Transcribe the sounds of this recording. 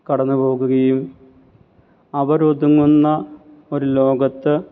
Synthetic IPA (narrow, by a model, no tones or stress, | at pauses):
kɐɽɐnːupo̞ːɣuɣɐjum | ɐʋɐɾod̪uŋːunːɐ | o̞ɾulo̞ːɡɐt̪ːɨ